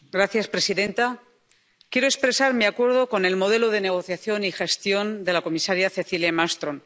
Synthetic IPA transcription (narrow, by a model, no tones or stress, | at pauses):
ɡɾaθjaspɾe̞siðe̞nt̪a | kjeɾoespɾe̞saɾmiakwe̞ɾð̞o̞ko̞ne̞lmo̞ð̞e̞loðe̞ne̞ɣ̞o̞θjaθjo̞nixe̞st̪jo̞nd̪e̞lako̞misaɾjaθe̞θiljamast̪ɾo̞n